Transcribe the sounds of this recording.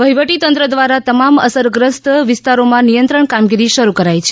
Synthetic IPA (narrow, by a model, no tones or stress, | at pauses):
ʋəɦiʋəʈit̪ənt̪ɾəd̪ʋaɾat̪əmaməsəɾɡɾəst̪ʋɪst̪aɾomãnijənt̪ɾəɳkamɡiɾiʃəɾukəɾajt͡ʃʰe̥